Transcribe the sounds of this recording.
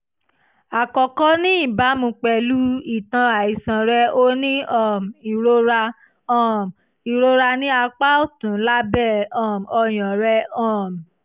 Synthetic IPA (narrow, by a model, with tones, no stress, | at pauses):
a˨kɔ˧kɔ˦nĩ˦i˦˨ba˨˦mũ˧k͡pɛ˧˨lu˦i˨tã˧a˨i˨sã˨ɾɛ˧o˦nĩ˦ɔ̃˦˨mi˨ɾo˧ɾa˧ | ɔ̃˦˨m˨ | i˨ɾo˦ɾa˧nĩ˦a˧k͡pa˦o˦˨tũ˨˦la˦bɛ˦˨ɔ̃˦˨m˨ɔ˧j̃ɔ̃˨ɾɛ˧˦ɔ̃˦˨m˨